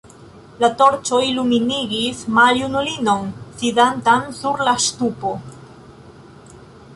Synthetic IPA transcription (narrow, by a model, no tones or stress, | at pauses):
lat̪o̞ɾt͡ʃoiluminiɡismaljunulino̞nsiðant̪ansuɾlast̪upo